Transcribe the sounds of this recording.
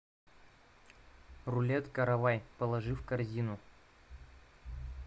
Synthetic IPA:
rʊlʲet̪kɐɾɐvajpəlˠɐʐɨfkɐrzʲinʊ

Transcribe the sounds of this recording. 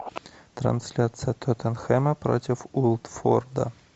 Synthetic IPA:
t̪rɐ̰nsʲlʲat̪sɨjət̪ʰøt̪ʰɛnxɛməpɾo̰tʲɪfulˠt̪ford̪ɐ̰

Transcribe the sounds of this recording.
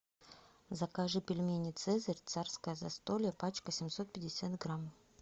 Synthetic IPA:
zɐkaʐɨpʲɪlʲmʲenʲɪt̪sɛzəɾʲt̪sarskəjəzɐst̪olʲɪjəpat͡ɕkəsʲɪmʲso̞t̪̚pʲɪdʲɪsʲat̪ɡram

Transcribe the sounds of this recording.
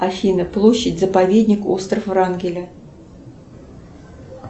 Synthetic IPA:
afʲinəplˠoɕːɪdʲzəpavʲedʲnʲɪko̞̰st̪rəfvrɑnɡʲɪlʲə

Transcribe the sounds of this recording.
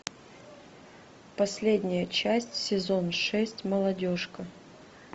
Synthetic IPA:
pɐsʲlʲedʲnʲɪjət͡ɕæsʲtʲsʲɪzo̞nʂɛsʲtʲməlˠɐdʲo̞ʂkə

